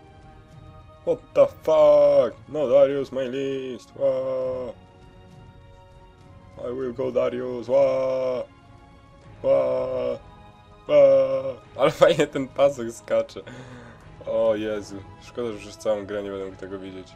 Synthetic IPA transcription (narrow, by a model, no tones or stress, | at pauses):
wɔt̪ːəfaknod̪aɾjusmajlʲist̪wa | a̰jwilɡowd̪aɾjuswa | wa | wa | alɛfajɲɛt̪ɛnpasɛkskat͡ʂɛ | ɔjɛzuʂkɔd̪aʒɛpʂɛst̪sawɔ̃ɡɾɛɲɛbɛnd̪muk̚t̪ɛɡɔvʲid͡ʑet͡ɕ